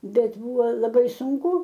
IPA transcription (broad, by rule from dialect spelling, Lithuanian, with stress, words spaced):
ˈbʲɛt ˈbʊʋoː lˠɐˈbɐɪ sʊŋˈkʊ